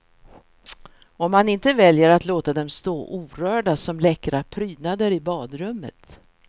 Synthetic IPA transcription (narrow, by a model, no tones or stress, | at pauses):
ɔmːanɪnt̪əvɛljəɾat̪loːt̪ad̪ɛmst̪oːʔuːɾœːɖasɔmlɛkɾapʰɾyːd̪nad̪əɾɪbɑːd̪ɾɵmːə̰t̪